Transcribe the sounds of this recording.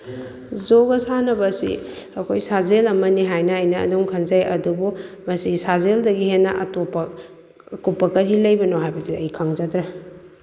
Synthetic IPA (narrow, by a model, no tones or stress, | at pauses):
zoɡɐsanɐbɐsḭɐkʰojsazelɐmɐniɦajnɐːjnɐɐ̰doŋkʰɐnzajɐdubu | mɐsisazeldɐɡihenːɐʔɐ̰topːɐ | kupːɐkɐɾilɐjbɐnoɦajbɐdiɐjkʰaŋzɐtɾɐ